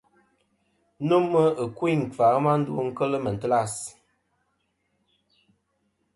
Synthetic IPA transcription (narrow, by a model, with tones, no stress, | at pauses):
no˦mə˦ə˨kwi˦˨ŋ̩˨fa˨˦ma˦n̩˦du˦ŋ̩˦kə˦lə˦mə˨n̩˨tə˦la˦˨s